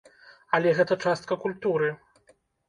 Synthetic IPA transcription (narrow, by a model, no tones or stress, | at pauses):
ɐlʲɛɣɛt̪ɐt͡ʂast̪̚kɐkulʲt̪uɾɨ